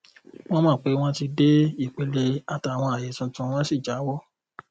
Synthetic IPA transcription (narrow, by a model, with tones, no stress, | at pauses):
w̃ɔ̃˦mãː˦˨k͡pe˨˦w̃ɔ̃˦ti˧de˦i˦˨k͡pe˨le˧a˨ta˧˨w̃ɔ̃˧a˨je˨˦tũ˧tũ˧w̃ɔ̃˦si˦˨d͡ʒa˨˦wɔ˦˨